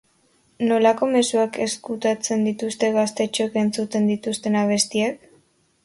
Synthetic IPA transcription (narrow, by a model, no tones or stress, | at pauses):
no̞lako̞me̞suake̞skut̪at͡se̞nd̪it̪ust̪e̞ɣast̪e̞t͡ʃoke̞nt͡sut̪e̞nd̪it̪ust̪e̞naβ̞e̞st̪iak